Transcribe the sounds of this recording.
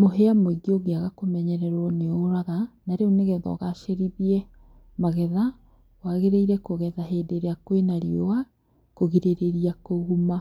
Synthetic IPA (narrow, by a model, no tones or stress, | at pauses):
moɦeamoiɡioɡeaɣakomɛɲɛɾɛɾɔneoɾaɣanaɾeoneɣɛðɔ̰ɣaʃeɾiβiɛ | maɣɛða | waɣeɾeiɾɛkoɣɛðaɦeːdeɾeakwenaɾiowa | koɣiɾeɾeɾiakoɣuma